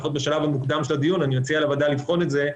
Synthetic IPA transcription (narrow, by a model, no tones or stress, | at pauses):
xo̞t̪̚beʃalavamukd̪amʃelad̪ijunanimat͡sialavad̪alifχo̞netze̞